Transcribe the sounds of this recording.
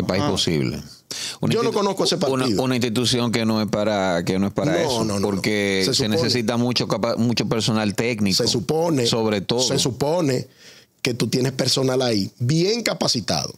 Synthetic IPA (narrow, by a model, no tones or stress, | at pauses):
epaiposḭβlḛ | ṵnãionnokonoskoesepaɾuniðunaĩnst̪it̪usjo̞ŋkenoe̞spaɾakenoe̞spanɾaesonõnpo̞ɾkesesenese̞sit̪̬amut͡ʃokapamũt͡ʃo̞pe̞ɾso̞nalt̪e̞knikeosuponeso̞βɾe̞t̪oðsoesupone | ke̞t̪ut̪je̞nespe̞ɾso̞nalaibjeŋkapasit̪a̰ðo